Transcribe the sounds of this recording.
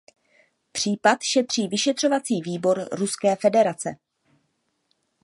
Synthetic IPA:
pr̝̥iːpat̪ʃɛt̪r̝̥iːvɪʃɛt̪r̝̥o̞vat͡siːviːbo̞ɾɾuskɛːfɛdɛɾat͡sɛ

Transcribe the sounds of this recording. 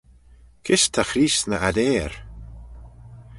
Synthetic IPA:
kʰɪst̪ʰaxɾiːsnəʔad̪eːɾ

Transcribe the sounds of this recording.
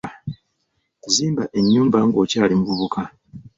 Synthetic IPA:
ziːmbaʔe̞ɲːuːmbaŋɡo̞caːlimuβuβukʰa

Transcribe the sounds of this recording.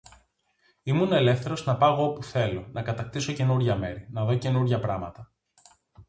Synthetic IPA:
imunɐe̞le̞fθe̞ɾo̞znɐpɐɣoopuθe̞lo̞nɐkɐt̪ɐk̚t̪iso̞ce̞nuɾʝɐme̞ɾinɐðo̞ce̞nuɾʝɐpɾɐmɐt̪ɐ

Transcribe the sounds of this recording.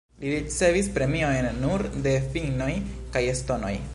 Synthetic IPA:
liɾit͡se̞vispɾe̞miojnːuɾde̞fino̞jkajesto̞no̞̰j

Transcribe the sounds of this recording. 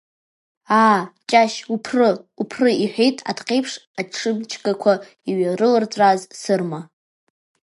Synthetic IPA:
aːt͡ʃʼaʃupʰrɨupʰrɨiħʷᶣejtʼa̰dqʼejpʰʂaʈ͡ʂʰɨmt͡ʃʰkʼakʷʰa | iɥaɾɨlɨrt͡sʷʼazsɨrma

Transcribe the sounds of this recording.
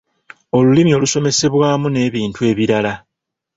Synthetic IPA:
o̞lulimio̞luso̞me̞se̞βwaːmune̞ːβiːntue̞ːβiɾala

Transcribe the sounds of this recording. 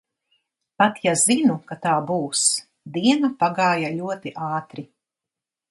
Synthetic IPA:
pat̪jazinukat̪aːbuːs | d̪iɛnapaɡaːjalʲuɔt̪iʔɑːt̪ɾi

